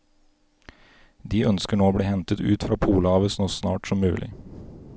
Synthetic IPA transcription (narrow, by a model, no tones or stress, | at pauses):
d̪iːœnskəɳoːoːbɽiːhɛnt̪ət̪ʰʉːt̪fɾɑːpʰuːləɑːʋəsnoːsnɑ̰ːʈsɔmːʉːlʔɪ̰